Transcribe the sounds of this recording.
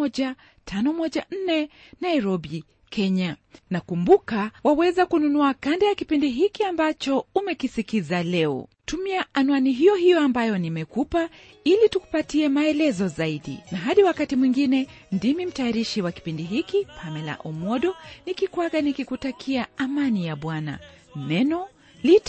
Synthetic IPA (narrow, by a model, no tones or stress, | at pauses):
ɔʄa | tʰanɔmɔʄan̩nɛ | najɾɔɓi | kʰɛɲanakumbukawawɛzakununuakandajakipindiɦikiambat͡ʃɔumɛkisikizalɛɔ̰tumiaanuaniɦijɔɦijɔambajɔnimɛkupa | ilituku̥patiɛmaɛlɛzɔzaiɗḭnaɦaɗiwakatimwiŋɡinɛ | ndimim̩tajaɾiʃiwaki̥pindiɦikipʰamɛla̰ʔɔmɔɗɔnikikwaɠanikikutakʰiaamanijaɓwana̰ | nɛnɔ | lit